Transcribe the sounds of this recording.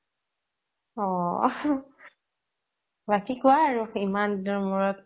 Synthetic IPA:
ɔ | batikʊaːɹuimandɔɹmɔɹɔt

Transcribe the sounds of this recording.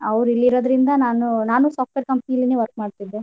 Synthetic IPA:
ɐʋɾuilːiɾod̪ɾind̪ɐnaːnunaːnuːsaːp̚ʈʋeːɾkɐmpɐnijɐlːineʋɐɾk̚maːɖt̪id̪ːu

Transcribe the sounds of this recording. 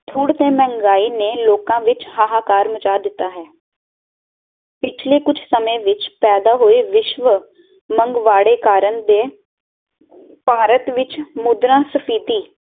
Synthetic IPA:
t̪ʰuːɽt̪ẽːmɛ̃ːŋɡaːiːneːloːkãːʋɪt͡ʃhaːɦaːkaːɾmət͡ʃaːd̪ɪt̪ːaːɦɛː | pɪt͡ʃʰleːkʊd͡ʒʰsəmẽːʋɪt͡ʃpɛːd̪aːɦoːeːʋɪʃʋə | məŋɡʋaːɽeːkaːɾənd̪eː | paːɾət̪ʋɪt͡ʃmʊd̪ɾãːsəpʰiːt̪iː

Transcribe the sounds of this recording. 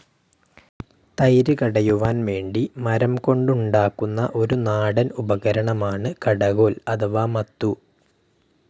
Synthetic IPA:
t̪ɐjɾɨkɐɽɐjuʋaːnʋe̞ːɳɖimɐɾɐmko̞ɳɖuɳɖaːkːunːɐ̰ʔo̞ɾunaːɽɐnubɐɣɐɾɐɳɐmaːɳɨkɐɽɐɣo̞ːlɐd̪ɐʋaːmɐt̪ːu

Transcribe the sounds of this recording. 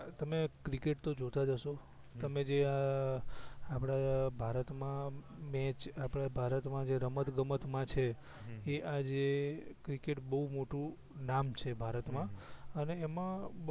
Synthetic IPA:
t̪əmekɾikeʈ̚t̪od͡ʒot̪ad͡ʒəʃo | t̪əmed͡ʒea | apɽ̃abʱaɾət̪mãmɛ̃t͡ʃapɽabʱaɾət̪mãd͡ʒeɾəmət̪ɡəmət̪mãt͡ʃʰeː | ʔad͡ʒekɾikeʈbəɦumoʈũ | namt͡ʃʰebʱaɾət̪mãəneːmã

